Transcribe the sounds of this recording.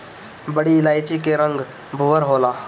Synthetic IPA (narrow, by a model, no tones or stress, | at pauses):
bəɽilajt͡ɕikeɾəŋɡ | bʱuʋəɾɦola